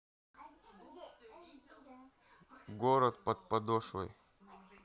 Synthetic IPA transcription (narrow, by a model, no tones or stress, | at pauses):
ɡoɾɐt̪̚pɐt̪̚pɐd̪oʂɔ̰j